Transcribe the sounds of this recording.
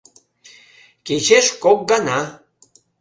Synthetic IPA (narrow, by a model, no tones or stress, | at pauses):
ket͡ɕeʃkok̚ɡɑnɑ